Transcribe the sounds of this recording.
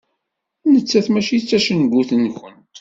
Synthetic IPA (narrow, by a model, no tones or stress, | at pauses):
nət͡sːæθmæʃit͡sːæʃənɡʷuθənçənt̪